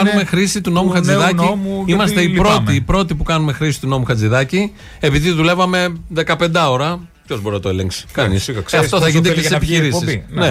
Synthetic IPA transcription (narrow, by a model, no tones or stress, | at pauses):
ɐnume̞xɾisit̪uno̞muxɐd͡ziðɐncimuimɐs̬t̪eipɾo̞t̪ipɾo̞t̪ipukɐnume̞xɾisi̥t̪uno̞muxɐd͡ziðɐci | e̞piðiðule̞vɐme̞ðe̞kɐpe̞nd̪ɐo̞ɾɐ | pço̞zbo̞ɾinɐt̪oeleŋksi̥kɐnḭsɐt̪oθɐʝind̪ecesepiçiɾisissne